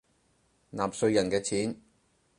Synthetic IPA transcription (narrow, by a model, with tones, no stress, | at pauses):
naː˨˩psɵ˧ɥjɐ˨˩nkɛː˧t͡sʰiː˨˥n